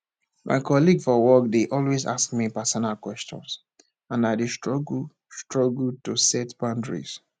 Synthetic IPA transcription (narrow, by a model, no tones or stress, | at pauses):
mʔa̰ɪkʰɔliɡfɔwɔkdeʔɔlweza̰skmipɛsɔnalkwɛstɔ̰̃ns | ãnaɪdestɹɔɡ | stɹ̥ɔɡltosɛtbãndɹḭz̥